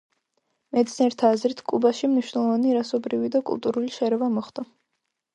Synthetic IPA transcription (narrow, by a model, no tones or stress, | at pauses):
mɛt̪sniɛɾt̪ʰaːzɾit̪ʰkʼubaʃimniʃwnɛlˠɔvaniɾasɔbɾivid̪akʼṵlˠt̪ʼuɾuliʃɛɾɛvamɔχd̪a